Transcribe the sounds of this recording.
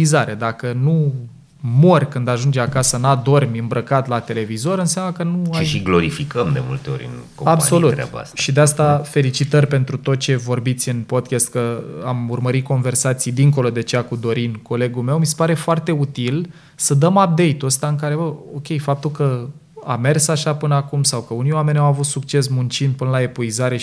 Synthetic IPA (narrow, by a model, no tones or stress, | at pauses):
izaɾe̞d̪akənu | mo̞rʲkɨnd̪aʒund͡ʒeakasənad̪o̞rmʲɨmbɾəkat̪lat̪e̞le̞vizo̞ɾɨnseamləkənuʃaijʃiɡlo̞ɾifikəmd̪e̞̰mṵlt̪e̞o̞̰ɾʲɨ̰nkomabsso̞lut̪a̰ba̰st̪ʃid̪east̪afe̞lit͡ʃit̪ərʲpe̞nt̪ɾut̪o̞t̪̚t͡ʃe̞vo̞rbit̪sʲɨnpo̞d̪̚kʲɛst̪̚kəamurməɾit̪̚ko̞nve̞rsat̪sijd̪iŋko̞lod̪e̞t͡ʃeakud̪o̞ɾinko̞le̞ɡume̞wmise̥paɾe̞foart̪e̞ut̪il | səd̪əmap̚d̪e̞jt̪uəst̪aɨŋk̬aɾe̞bəokʲe̞jfap̚t̪ulkə | a̰me̞rsaʃapɨnəakumsawkəuniowame̞nʲawavut̪sukt͡ʃe̞s̬munt͡ʃind̪̚pɨnəlae̞puizaɾe̞